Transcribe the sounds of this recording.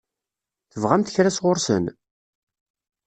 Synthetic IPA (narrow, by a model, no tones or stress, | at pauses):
θəvʁæmt̪ə̥çɾæsʁʊɾsə̰n